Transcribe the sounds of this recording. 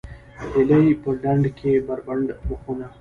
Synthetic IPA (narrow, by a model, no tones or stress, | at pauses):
eləjpəɖaɳɖkʰebaɾbaɳɖməxuna